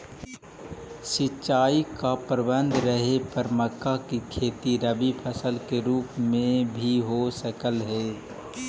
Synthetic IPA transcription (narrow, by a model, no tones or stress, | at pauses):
sɪt͡ʃaːikapɾəbə̃nd̪ʱɾəɦepəɾməkːakikʰeːt̪iɾəbipʰəsəlkeɾuːpmẽbʱiɦosəkəlɦɛː